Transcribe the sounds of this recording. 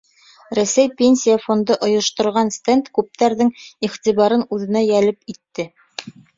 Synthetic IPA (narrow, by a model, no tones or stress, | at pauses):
ɾæsæjpʲenʲsʲijafo̞nd̪ɤʔŏjŏʃt̪ŏɾʁɑnst̪ent̪kʉp̚t̪æɾðɘŋiχt̪iβɑɾɤnʉðɘ̆næjælɘpit̪ːɘ